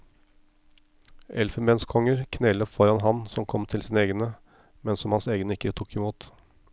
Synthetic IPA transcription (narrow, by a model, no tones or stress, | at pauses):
ʔɛlfəmɛːnskʰɔŋəɾkʰnɛləfɔɾɑnɦɑnsɔmkʰɔmt̪ʰɪlsiːnəeːɡnə | mɛnsɔmhɑnseːɡənəɪkːət̪ʰukɪmuːt̪